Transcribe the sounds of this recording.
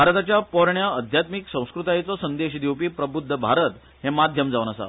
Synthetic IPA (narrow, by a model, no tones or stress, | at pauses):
aɾət̪at͡ɕjapɔɾɳjaəd̪ʱjat̪miksə̃w̃skɾut̪ajet͡sɔsənd̪eɕd̪iwpiːpɾəbud̪ʱːəbʱaɾət̪ | ɦemad̪ʱjəmd͡zaʋunəsa̰